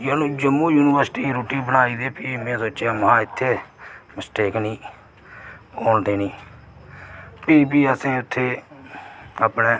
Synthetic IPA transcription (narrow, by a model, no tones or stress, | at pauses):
jaːnũːd͡ʒəmːũːjuːnɪʋəɾsʈiːɾoːʈiːbənaːiːd̪eːpʰɪmẽːsoːt͡ʃamɦãːɪt̪ʰːeːməsʈeːknĩː | oːɳd̪eːnĩː | pʰɪːbiːəsẽːʊt̪ʰːeː | əpneː